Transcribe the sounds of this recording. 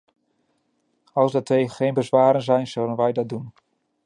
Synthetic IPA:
ɑlˠzdətejəχejnbəzʋaːɾənzɛjnz̥ɵɥdənʋɛjdɑd̚dun

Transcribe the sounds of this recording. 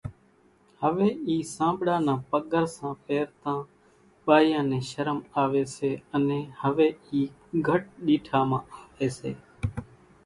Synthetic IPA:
həʋeːiːsãːbɽãːnãːpəɠəɾsãːpeːɾt̪ãː | ɓaːjãːnẽːʃəɾəmaːʋeːseːənẽːhəʋeːiːɡʱəʈ̚ɗiːʈʰaːmãːaːʋeːsḛː

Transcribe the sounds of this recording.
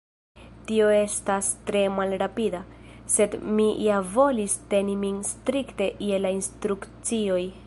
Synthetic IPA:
tio̞e̞stastɾe̞malɾapida | se̞dmijavo̞liste̞niminstɾikte̞ʔjelainstɾukt͡sio̞j

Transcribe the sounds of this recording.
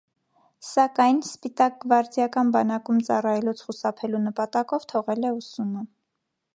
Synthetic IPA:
sɑkɑjnspit̪ɑk̚ɡəvɑɾd͡zjɑkɑnbɑnɑkumt͡sɑrɑjɛlut͡sʰχusɑpʰɛlunəpɑt̪ɑkɔvt̪ʰɔʁɛlɛusumə

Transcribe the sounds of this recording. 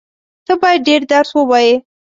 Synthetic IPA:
t̪əbɑjad̪̚ɖeɾd̪aɾswəwaje

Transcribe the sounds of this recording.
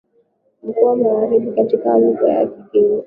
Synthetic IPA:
m̩kuwamaɣaɾiɓikatikaluka̰ja̰kipii

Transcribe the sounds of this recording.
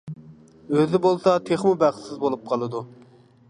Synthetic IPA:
øzɪbolˠsɑt̪ʰeχmubæχsɪzbolˠup̚qʰɑlˠɨd̪u

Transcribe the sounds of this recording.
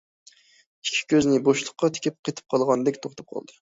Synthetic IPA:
i̥ʃkʲʰi̥kʲøznɪboʃlˠəqːɑt̪ʰɪ̥kʲip̚qʰet̪ʰɪ̥p̚qʰɑlˠʁɑnd̪ɛkʲt̪ʰoχt̪ʰɑ̥p̚qʰɑ̰lˠd̪ɨ

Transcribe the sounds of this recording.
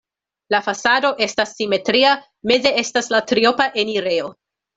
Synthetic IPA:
lafasado̞ʔe̞stasːime̞tɾia | me̞ze̞e̞staslatɾio̞paʔe̞niɾe̞o̞

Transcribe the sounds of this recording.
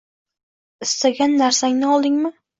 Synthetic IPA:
ɪst̪aɡʲanːaɾsaŋnɪɒlˠd̪ɪŋmɪ

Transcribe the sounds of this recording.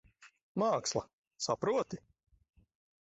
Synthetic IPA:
maːkslˠa | sapɾuɔt̪i

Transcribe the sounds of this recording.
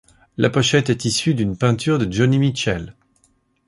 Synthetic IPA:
lapɔʃɛt̪ɛt̪isyd̪ynpɛ̃t̪yʁd̪əd͡ʒɔnimit͡ʃɛl

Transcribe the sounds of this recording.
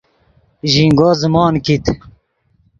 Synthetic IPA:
ʑiŋɡoːzmɑːnkit̪

